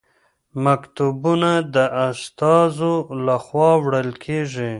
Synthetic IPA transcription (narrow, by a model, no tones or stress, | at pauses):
makt̪ubunad̪əʔast̪ɑzolaxwɑwɽəlkʰeʐi